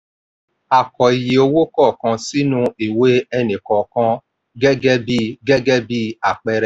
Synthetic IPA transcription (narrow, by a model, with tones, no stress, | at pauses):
a˨kɔ˨i˨je˨o˧wo˦kɔ˦˨kã˧si˦nũ˦i˨we˦ɛ˧nĩ˨kɔ̃˨kã˧ | ɡɛ˦ɡɛ˦bi˦ɡɛ˦ɡɛ˦bi˦a˦˨k͡pɛ˧ɾɛ˧˨